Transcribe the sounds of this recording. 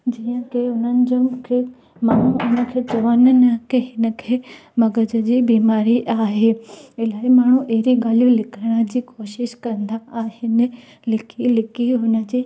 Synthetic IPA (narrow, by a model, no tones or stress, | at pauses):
d͡ʑiːə̃keʊnənɪ̆d͡ʑʊmkʰeː | maːɳ̤ũʊnə̆kʰet͡ɕɐʋənənəkeɦɪnə̆kʰeːmɐɡəd͡ʑə̆d͡ʑiːbiːmaːɾiʔaːɦeːɪlaːɪmaːɳ̤ũʔeɦɾiɡaːlijũlɪkʰəɽ̃əd͡ʑiːkoːʃɪʃkɐ̃nd̪aʔaːhɪnɪ | lɪkilɪkiɦʊnə̆d͡ʑiː